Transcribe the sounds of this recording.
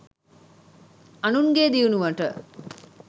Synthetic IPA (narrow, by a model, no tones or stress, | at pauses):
ɐnuŋɡeːd̪iunuʋaʈə